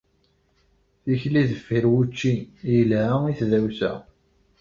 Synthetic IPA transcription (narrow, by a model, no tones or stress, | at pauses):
θiçliðəfːiɾwut͡ʃːiiliθðæwsæ̰